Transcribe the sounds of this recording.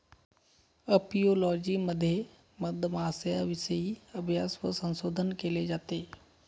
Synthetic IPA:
əpijoːlɔːd͡ʒiməd̪ʱje | məd̪ʱmaːsəjaʋɪʃəiɐbʱjaːswə̰sə̃nsoːd̪ʱənkeled͡ʒaːt̪eː

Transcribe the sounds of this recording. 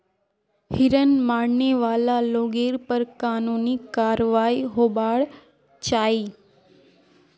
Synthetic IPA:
hɪɾənmaɽneʋalaloɡeɾpəɾkanunikaɾʋaiɦobaɭ | t͡ʃaːi

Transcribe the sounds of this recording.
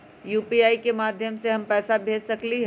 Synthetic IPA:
juːpiaːikemaːd̪ʱjəmseɦɐmpɛːsabʱeːd͡ʒsɐkliɦ

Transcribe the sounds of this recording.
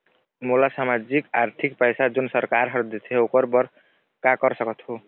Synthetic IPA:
mulasamad͡ʒikaɾt̪ʰikpʌjsad͡ʒunsʌɾkaɾɦʌɾd̪it̪ʰeokʌɾbʌɾ | kakʌɾsʌkʌt̪ɦo

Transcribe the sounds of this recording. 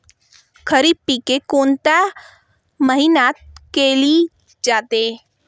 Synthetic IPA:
kʰəɾibpikekoːnt̪a | məɦinat̪̚keːli | d͡ʒaːt̪e

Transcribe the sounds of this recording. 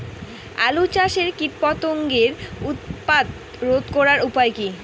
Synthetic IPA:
a̰lut͡ɕaʃeɾkit̪̚pɔt̪oŋɡeɾut̪̚pad̪ | ɾod̪kɔɾaɾupaeki

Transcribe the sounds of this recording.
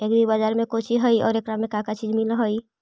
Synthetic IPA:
ekb̪ibad͡ʒaɾmekot͡ʃʰiɦəjɔ̰ːɾekɾamekãkat͡ʃid͡ʒmilɦəj

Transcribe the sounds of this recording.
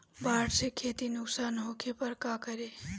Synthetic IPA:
baːɽsekʰeːt̪inʊksaːnɦoːkʰepɐɾkaːkɐɾeː

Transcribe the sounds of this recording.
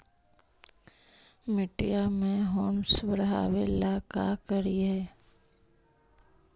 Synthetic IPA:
mɪʈijamẽɦoːmsʋəɾɦa̰ːʋelakakəɾiɦɛː

